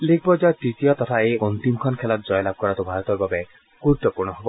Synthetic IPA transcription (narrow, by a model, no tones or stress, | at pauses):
likʰbɔd͡ʒatit̪ijɔt̪ɔt̪ʰaeɔnt̪imkʰɔnkʰelat̪d͡ʒɔjlab̚kɔɾat̪ubʱaɾɔt̪ɔɾbabe | kuɾt̪ɔpuɾɽ̃ɔɦebɔ